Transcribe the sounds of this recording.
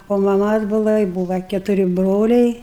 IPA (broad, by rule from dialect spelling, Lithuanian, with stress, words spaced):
oː mɐˈmɐs ˈbuːʋɐ ɪ ˈbuːʋɐ kʲɛtʊˈrʲɪ ˈbroːlʲɛɪ